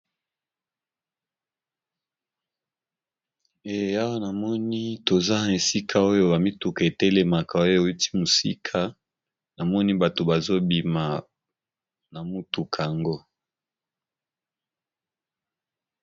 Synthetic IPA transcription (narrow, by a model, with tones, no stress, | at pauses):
e˨a˦wa˦na˨mɔ˦ni˦to˨za˦˨e˨si˦kʰa˦o˦jo˦ba˨mi˦tu˨ka˨e˨te˦le˨ma˨ka˨o˦jo˨˦i˦ti̥˦mo˨sḭ˦kʰa˦ | na˨mɔ˦ni˦ba˨to˨ba˨zo˦bi˨ma˨ | na˨mu˦tu˨kʰa˨a˨ŋɡo˦